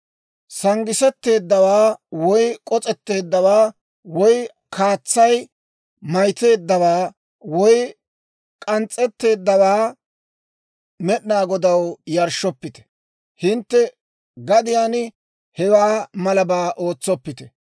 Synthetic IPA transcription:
sɐŋɡɪsɛt̪ːe̞ːd̪ːɐwaːwɔjkʼɔt͡sʼɛt̪ːe̞ːd̪ːɐwaː | wɔj | kʰaːt͡sːɐj | mɐjt̪e̞ːd̪ːɐwaː | wɔj | kʼɐnt͡sʼːɛt̪ːe̞ːd̪ːɐwaː | mɛɗɪnaːɡɔd̪ɐwjɐɾʃɔpːɪt̪ɛ̥ | hɪnt̪ːɛ | ɡɐd̪ɪjaːn | hɛwaːmɐlɐbaːʔo̞ːt͡sːɔpːɪt̪ɛ̥

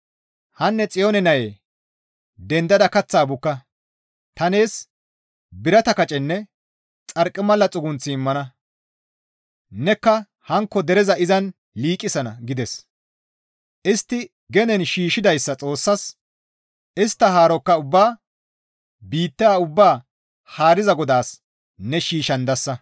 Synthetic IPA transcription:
hɐnːɛt͡sʼɪjonɛnɐjḛː | d̪ɛnd̪ɐd̪ɐkɐt͡sːaːbʊkːɐ | t̪ɐne̞ːs | bɪɾɐt̪ɐkɐt͡ʃʼɛnːɛ | t͡sʼɐɾkʼːɪmɐlːɐt͡sʼʊɡʊnt͡sːɪːmːɐnɐ | nɛkːɐ | hɐŋkːɔd̪ɛɾɛzɐɪzɐn | liːkʼːɪsɐnɐ̰ɡɪd̪ɛs | ʔɪst̪ːɪ | ɡɛnɛnʃiːʃɪd̪ɐjsːɐt͡sʼo̞ːsːɐs | ʔɪst̪ːɐɦaːɾɔkːɐʊbːaː | biːt̪ːaːʊbːaː | haːɾɪzɐɡɔd̪aːs | nɛʃiːʃɐnd̪ɐsːɐ

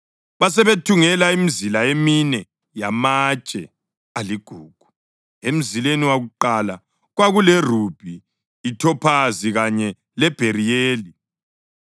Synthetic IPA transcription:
βas̬ɛβetʰuŋɛlaimizilaeminɛ | jamat͡ʃʼɛ | aliɡ̥ʱuːɡ̥ʱu̥ | em̩zileniwaɣuǃala | ɣwaɣulɛr̤ub̥ʱiː | tʰɔpʰaziɣaɲɛ | lɛb̥ʱerijeːli

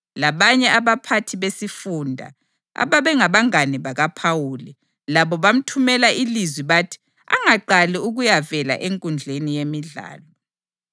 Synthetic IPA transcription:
laβaɲɛaβapʰatʰiβesifundʱa̰ | a̰βaβɛŋaβaŋaniβaɣapʰawuːli | laβɔβam̩tʰumɛlaʔilizwiβaːtʰi̥ | a̰ŋaǃaliuɣujavɛla̰ʔeŋkʼund͡ɮʱenijemiɮa̰ːlɔ

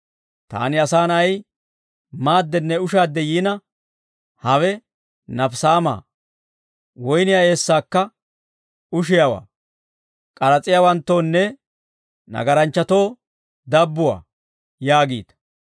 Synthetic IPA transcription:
t̪a̰ːnɪɐsaːnɐj | maːd̪ːɛnːɛʊʃaːd̪ːɛjiːnɐ | hɐwɛ | nɐfsaːma̰ː | wɔjnɪjae̞ːsːaːkːɐ | ʊʃɪjɐwa̰ː | kʼɐɾɐt͡sʼɪjawɐnt̪ːo̞ːnːɛ | nɐ̰ɡɐɾɐnt͡ʃːɐt̪o̞ː | d̪ɐbːʊwa̰ː | jaːɡiːd̪

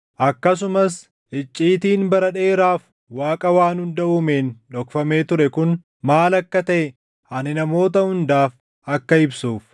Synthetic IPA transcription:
ʔɐkːɐs̬ʊmɐs | ʔɪt͡ʃʼːiːt̪iːnbɐɾɐᶑe̞ːɾaːf | waːkʼɐwaːnhʊnd̪ɐʔuːme̞ːnᶑɔkfɐme̞ːt̪ʊɾɛkʊn | maːlɐkːɐt̪ɐʔɛ | ɐnɪnɐmo̞ːt̪ɐhʊnd̪aːf | ɐkːɐɪbsuːf

